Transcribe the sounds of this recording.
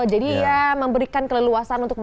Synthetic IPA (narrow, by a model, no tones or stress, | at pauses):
d͡ʒadiːaməmbəɾikankələluasanunt̪ʊk̚m